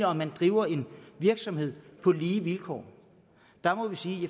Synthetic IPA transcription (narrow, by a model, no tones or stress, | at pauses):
əɒ̽mːænd̥ʁiːʊɐe̝nʋiɐɡ̥sɒ̽mhe̝ð̞̰ˠpʰɒ̽liːʋilkʰɒ̰ː | d̥ɑ̈mɒ̽ʋisiːje